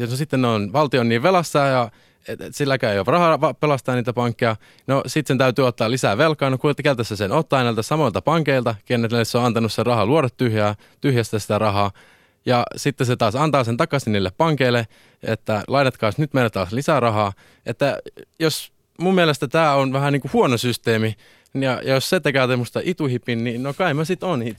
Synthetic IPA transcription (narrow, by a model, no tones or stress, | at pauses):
nosit̪ːennonʋɑlt̪ionːiːʋʋelɑsːɑːjɑ | esilːækæyjorɑhɑʋɑpelɑst̪ɑːniːt̪æpɑŋkːejɑ | nosit̪sent̪æyt̪yːot̪ːɑːlisæːʋelkɑːnokukelt̪æsːæsenot̪ːɑːnæilt̪æsɑmoilt̪ɑpɑŋkeilt̪ɑkeneesoɑnt̪ɑnusserɑhɑluoɾɑt̪tːyhjæː | t̪yhjæst̪æsi̥t̪ærɑɦɑː | jɑsit̪ːeset̪ɑːsɑnt̪ɑːsent̪ɑkɑsiniːlːeppɑŋkeilːe | ḛt̪ːælɑinet̪kɑːsnyt̪meilæt̪ɑːslisærɑɦɑː | ʔet̪ːæjos | mumːielest̪æt̪æːonʋæhæniːŋkuhuonosyst̪eːmi | jɑjɑjosset̪ekæːt̪emːost̪ɑʔit̪uhipːinninokɑimæsit̪onhit̪